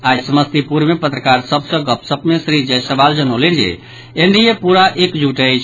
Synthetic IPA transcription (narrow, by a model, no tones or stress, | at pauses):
asəməst̪ipuɾmepət̪ɾəkaɾsəbsə̃ɡəpsəbmesɾid͡ʒɛsəbald͡ʒənolind͡ʒɛ̰ | eɳɖiepuɾaʔekd͡ʒuʈəjt͡ʃʰ